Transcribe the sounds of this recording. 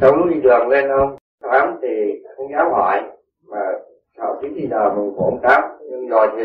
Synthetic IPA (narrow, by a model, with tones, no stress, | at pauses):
sə˨˦wŋ͡mn˨˦ɗi˧ɗɨ˨˩ək̚le˧nʔə˧wŋ͡m | t̪aː˨˦mt̪ʰi˨˩xə˧wŋ͡mzaː˨˦whɔ̰˧˨j | maː˨˩ | sʰa̰ː˧˩wt̪ʰi˨˦t̪ʰi˧˩ɗəː˨˩mɨ˨˩ŋkʔə˧wŋ͡mt̪aː˦˥p̚ɲɨ˧ŋzɔ˨˩jt̪ʰi˨˩